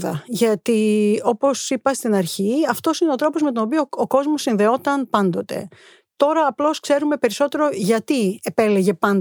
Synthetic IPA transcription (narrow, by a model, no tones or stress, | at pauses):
ðɐʝɐt̪io̞po̞sipɐst̪inɐɾçiɐft̪o̞sineo̞t̪ɾo̞po̞zme̞t̪ono̞p̬ioːko̞zmo̞sːinðe̞o̞t̪ɐnpɐnd̪o̞t̪e̞̰ | t̪o̞ɾɐːplo̞skse̞ɾume̞pe̞ɾiso̞t̪e̞ɾo̞ʝɐt̪ie̞pe̞leʝe̞pɐn